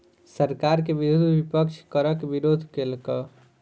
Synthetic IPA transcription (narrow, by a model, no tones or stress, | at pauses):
səɾkaɾkeʋiɾud̪ʱʋipəkt͡ʃʰkəɾəkʋiɾod̪ʱkelkə